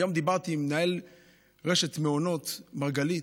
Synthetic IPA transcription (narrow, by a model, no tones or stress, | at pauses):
jo̞md̪ibaʁt̪iːmnael | ʁeʃet̪meono̞t̪maʁɡali